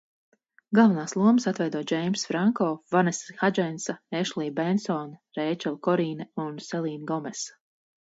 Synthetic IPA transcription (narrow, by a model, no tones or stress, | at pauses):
ɡalˠvanaːslˠuɔməsat̪vɛjd̪uɔd͡ʒɛjmsfɾaŋkɔːvanɛsxad͡ʒɛnsaeʃlˠiːbɛnsɔːnɾejt͡ʃɛlˠkɔɾiːnaunsɛlˠiːnɡɔmɛs